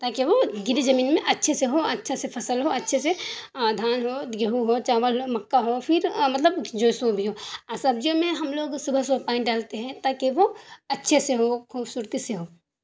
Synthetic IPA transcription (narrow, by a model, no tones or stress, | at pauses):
t̪aːkeʋoɡɪɾizɐmiːnmẽʔɐtːʃʰeseɦoɐtːʃʰesepʰɐsəlɦoɐtːʃʰesed̪ʱaːnɦoːd̪ɡɐɦuɦoːt͡ʃaːʋəlmɐkːaɦopʰɪɾmɐt̪ləbd͡ʒoːjsõbʱiɦoːasɐbd͡ʒomẽɦɐmloːɡsʊbʱəɦsʊbʱpãːɪ̃nʈɖaːlt̪eɦɛ̃t̪aːkeʋoɐtːʃʰeseɦokʰuːbsuːɾt̪iseɦoː